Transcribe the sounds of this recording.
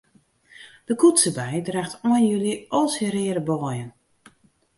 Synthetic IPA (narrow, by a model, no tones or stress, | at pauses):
d̥əkutsəbɛjdraxtɔənjyliɔlˠsəɾɪːəɾəbɔːjən